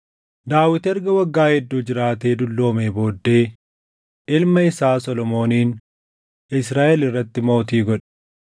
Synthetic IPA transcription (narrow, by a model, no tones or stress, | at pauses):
d̪aːwɪt̪ɛɾɡɐwɐɡːaːhɛd̪ːuːd͡ʒɪɾaːt̪e̞ːd̪ʊlːo̞ːmeːbo̞ːd̪ːe̞ː | ʔɪlmɐɪsaːsɔlɔmo̞ːniːn | ɪs̬ɾaːʔɛlɪrːɐt̪ːɪmo̞ːt̪̬iːɡɔᶑɛ̥